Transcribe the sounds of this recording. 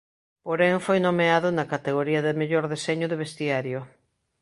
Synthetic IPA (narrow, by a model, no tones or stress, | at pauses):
poɾeŋfojnomeaðʊnɐkat̪eɣoɾiɐðɪmeʎoɾðeseɲʊðeβest̪iaɾjo